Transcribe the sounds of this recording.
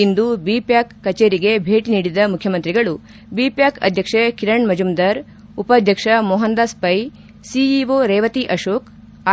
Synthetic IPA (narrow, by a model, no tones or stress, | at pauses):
ind̪ubiːpjaːkːɐt͡ʃeːɾiɡebʱeːʈiniːɽid̪ɐmukʰːjɐmɐnt̪ɾiɡɐɭu | biːpjaːkɐ̰d̪ʱjɐkʂekiɾɐɳmɐd͡ʒumd̪ɐɾ | upɐd̪ʱjɐkʂɐmɔɦɐnd̪aspɐj | siiʋoːɾɛːʋɐt̪iʔɐʃoːk